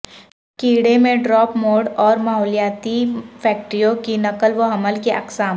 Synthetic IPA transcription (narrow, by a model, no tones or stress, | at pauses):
kiːɽemẽɖɾɔːpmoːɖɔːɾmaːɦɔːlijaːt̪ipʰɛːk̚ʈɾijõkinɐkəlʋoɦɐməlkeʔɐ̰ksaːm